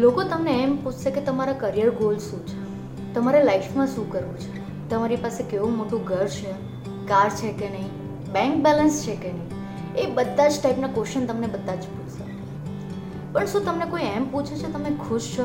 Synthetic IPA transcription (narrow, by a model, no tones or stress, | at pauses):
lokot̪əmneɛmput͡ʃʰseket̪əmaɾakəɾijəɾɡolʃũt͡ʃʰe | t̪əmaɾelaifmãʃũkəɾʋũt͡ʃʰe | t̪əmaɾipasekeʋũmoʈũɡʱəɾt͡ʃʰe | kaɾt͡ʃʰekenəĩ | bɛ̃ŋkbɛlənst͡ʃʰekenəi | ebəd̪ʱːad͡ʒʈaipnakoʃənt̪əmnebəd̪ʱːad͡ʒput͡ʃʰse | pəɳʃũt̪əmnekoiɛmput͡ʃʰet͡ʃʰet̪əmekʰuʃt͡ʃʰo